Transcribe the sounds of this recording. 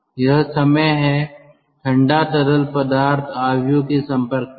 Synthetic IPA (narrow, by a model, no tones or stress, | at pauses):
jɐɦsɐməjɦɛ | ʈʰɐ̃ɳɖaʈɐɾəlpəd̪aːɾt̪ʰaːʋjokesɐ̃mpəɾk̚